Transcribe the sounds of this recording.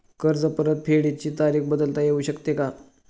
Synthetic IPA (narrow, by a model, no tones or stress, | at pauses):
kəɾd͡zəpəɾət̪̚pʰeɽit͡ɕiːt̪aɾiːxbəd̪əlt̪ajeuɕəkt̪eka